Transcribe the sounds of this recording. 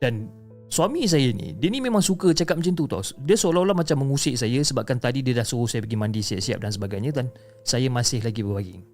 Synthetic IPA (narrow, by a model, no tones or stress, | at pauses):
d̥an | swamĩs̬ajainḭdiənĩmẽmaŋsukət͡ʃakat̪̚mət͡ʃənt̪̬ut̪ɔ̰sdiəsolalahmat͡ʃamːəŋusɪʔsajəsəbap̚kant̪adidiədahsuɾuhsajapəɡimandisia̰p̚sia̰p̚dans̬əbaɡajɲãdan | sajamãsɪhlaɡibəbaɡɪŋ